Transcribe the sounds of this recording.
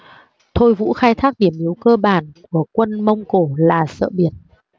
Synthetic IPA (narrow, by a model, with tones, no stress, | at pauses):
t̪ʰo˧jvṵ˧˥xaː˧jt̪ʰaː˦˥k̚ɗi˧˩əmʔi˨˦əwkəː˧ɓaː˧˩nku˧˩əkwə˧nmə˧wŋ͡mko˧˩laː˨˩sə̰ː˧˨ɓi˧˩ən